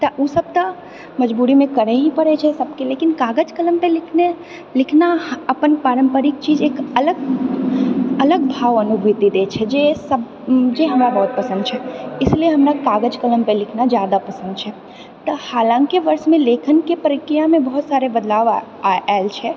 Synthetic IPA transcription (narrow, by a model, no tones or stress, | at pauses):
t̪ɐʔuːsɐb̚t̪ɐ | mɐd͡ʒbuːɾimẽkɐɾeɦĩpɐɽet͡ʃʰɛsɐb̚keleːkɪnkaːɡəd͡ʒkələmpelɪkʰne | lɪkʰnaɐpənpaːɾə̃mpəɾɪk̚t͡ʃiːd͡ʒeːkɐləɡ | ɐləɡ̚bʱaːʋɐnʊbʱit̪id̪eːt͡ʃʰɛd͡ʒesɐb | d͡ʒeːɦɐmɾabɐɦt̪̚pɐsə̃nd̪t͡ʃʰɛɪslieɦɐmɾakaːɡəd͡ʒkələmpelɪkʰnad͡ʒjaːd̪apɐsə̃nd̪̚t͡ʃʰɛ | t̪ɐhaːlãːŋkiʋɐɾsmẽleːkʰənkepəɾɪkɾijamẽbɐɦʊt̪saːɾebɐd̪laːʋ | ɛlt͡ʃʰɛ